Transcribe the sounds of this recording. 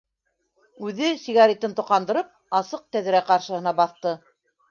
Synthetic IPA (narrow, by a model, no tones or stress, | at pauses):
ʉðɘsiɣɑɾʲit̪ɤnt̪ŏqɑnd̪ɤ̆ɾɤp̚ | ɑsɤq̚t̪æðɘ̆ɾæqɑɾʃɤ̆hɤ̆nɑbɑθt̪ɤ